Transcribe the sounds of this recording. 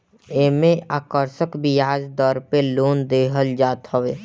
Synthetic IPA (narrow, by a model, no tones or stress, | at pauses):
emẽaːkəɾʃəkbijaːd͡ʒd̪ɔɾpeloːnd̪eːɦəld͡ʒaːt̪ɦəʋeː